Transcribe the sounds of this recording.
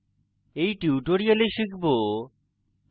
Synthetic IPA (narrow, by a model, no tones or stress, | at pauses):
ejʈiuʈoɾijaleʃikʰbo